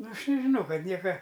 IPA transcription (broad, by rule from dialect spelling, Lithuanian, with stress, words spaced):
ˈnʊ ˈɐʃ nʲɛʒʲɪˈnɐʊ ˈkɐt ˈnʲiɛkɐ